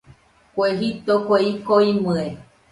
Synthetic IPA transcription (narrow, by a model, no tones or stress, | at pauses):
koeɦip̚t̪okʷeikoimɨ̃e